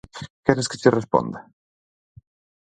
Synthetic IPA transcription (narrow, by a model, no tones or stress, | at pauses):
kɛɾeske̥t͡ʃerespo̰nd̪a